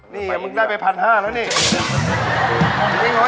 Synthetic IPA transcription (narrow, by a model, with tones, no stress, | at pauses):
niː˥˩˨mɯ˧ŋdaː˥˩jpa˧jpʰa˧nhaː˥˩laː˦˥niː˥˩˨ | i˥˩ŋo˦˥